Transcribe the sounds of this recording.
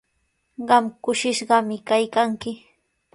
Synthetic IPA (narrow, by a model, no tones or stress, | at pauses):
ɢɑmkʊʃɪʃɢɑmɪkajkaŋkɪ